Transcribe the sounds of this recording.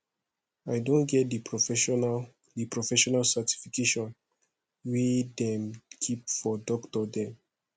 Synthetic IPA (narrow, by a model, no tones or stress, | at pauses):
aɪdõnɡɛt̚diɛn | dipɹɔfɛʃɔnalsati̥fikeʃɔ̃n | widɛ̃mkʰipfɔdɔktɔdɛ̃m